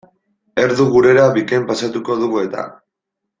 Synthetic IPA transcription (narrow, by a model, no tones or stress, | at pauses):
e̞ɾðuɣuɾe̞ɾaβikempasat̪uko̞ðuɣue̞t̪a̰